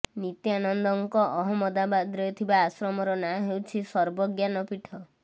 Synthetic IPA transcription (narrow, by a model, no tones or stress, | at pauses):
nit̪janɔnd̪ɔŋkɔʔɔɦɔmɔd̪abad̪ɾɔɔt̪ʰibaːsɾɔmɔɾɔnaɦewt͡ʃʰisɔɾbɔɡjanɔpiʈʰɔ